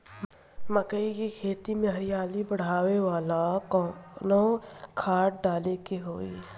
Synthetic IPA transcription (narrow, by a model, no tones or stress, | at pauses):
məkəikikʰeːt̪imẽɦɐɾɪjaːlibəɽ̤aːʋeʋaːlakːnokʰaːʈ̚ɖaːlekeɦoːḭː